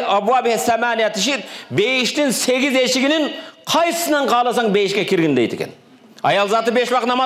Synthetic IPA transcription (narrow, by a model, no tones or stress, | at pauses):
ɑbuabɪhesæmæːnijæt̪ʰɪʃ̬iɾbejɪʃt̪ɪŋseɡʲɪzeʃɪɡʲɪnɪŋqʰɑjsə̥sənɑɴqʰɑːlˠɑsɑŋbejɪʃkʲekʲʰɪɾɡʲɪnd̪ejt̪ʰḛkʲen | ɑjɑlˠzɑt̪əbeʃwɑqt̪nɑmɑ